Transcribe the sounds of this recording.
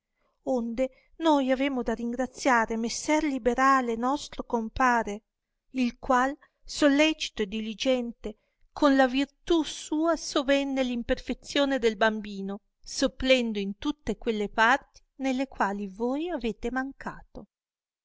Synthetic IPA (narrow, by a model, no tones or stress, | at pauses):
ond̪e | nojaveːmod̪ariŋɡɾat̪sːjaːɾemesːɛrlibeɾaːlenɔst̪ɾokompaːɾe | ilkwal | solːɛt͡ʃi̥t̪oed̪ːilid͡ʒɛnt̪e | kʰonlavirt̪usuːasovɛnːelimperfet̪sjoːned̪elbambiːno | sopːlɛnd̪oint̪ut̪ːekwelːepart̪i̥nelːekwaːlivoːjaveːt̪emaŋkʰaːt̪o